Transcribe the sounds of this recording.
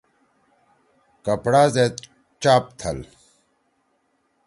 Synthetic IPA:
kɐpɽaːzet̪ | t͡ʃaːp̚t̪ʰɐ̰l

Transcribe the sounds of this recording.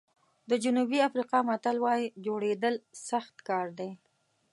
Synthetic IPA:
d̪əd͡ʒʊnubiafɾiqɑmat̪alwɑjid͡ʒoɽed̪əlsaxt̪kɑɾd̪e

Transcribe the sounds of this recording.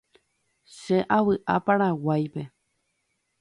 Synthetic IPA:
ʃeʔawɨʔapaɾ̃awajpe̞

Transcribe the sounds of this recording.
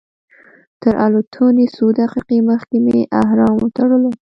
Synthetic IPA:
t̪əɾʔa̰lot̪ʰonisud̪aqiqeməxkemeʔaɦɾɑmwət̪aɽəlo

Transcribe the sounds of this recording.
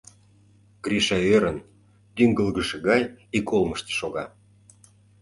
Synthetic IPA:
ɡ̥ɾiʃɑøɾən | t̪yŋɡəlɣəʃĕɣɑjikolməʃt̪ə̥̆ʃoɣɑ

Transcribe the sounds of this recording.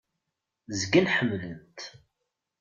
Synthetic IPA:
zɡənħəmːlənt̪

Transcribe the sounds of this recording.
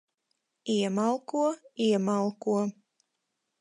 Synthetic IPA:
iɛmalˠkuɔiɛmalˠkuɔ

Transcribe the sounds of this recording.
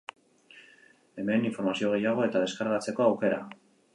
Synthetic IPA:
e̞me̞niɱfo̞ɾmasio̞ɣ̞e̞jaɣ̞o̞e̞t̪að̞e̞skaɾɣat͡se̞ko̞awke̞ɾa̰

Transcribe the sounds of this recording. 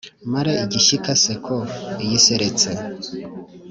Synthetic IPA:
maɾeiɟiʃikʰasekʰoijiseɾet͡se

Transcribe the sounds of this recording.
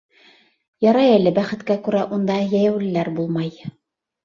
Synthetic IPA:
jɑɾɑjælɘbæχɘ̆t̪kækʉɾæʔund̪ɑjæjæwlɘ̆læɾbulˠmɑj

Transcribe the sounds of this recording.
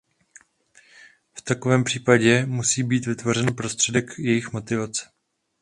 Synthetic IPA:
ft̪ako̞vɛːmpr̥iːpaɟɛmusiːbiːt̪vɪt̪vo̞r̝ɛnpɾo̞st̪r̝̥ɛdɛkjɛjɪxmo̞t̪ɪvat͡sɛ̥

